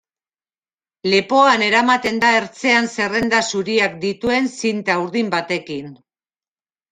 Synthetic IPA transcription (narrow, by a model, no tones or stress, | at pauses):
le̞po̞ane̞ɾamat̪e̞nd̪ae̞ɾt͡se̞anse̞re̞nd̪asuɾiak̚d̪it̪ue̞nsint̪auɾðimbat̪e̞kin